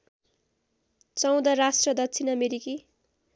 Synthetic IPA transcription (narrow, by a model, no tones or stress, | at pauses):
t͡sʌw̃d̪ʌɾasʈrʌd̪ʌkt͡sʰinʌmeɾiki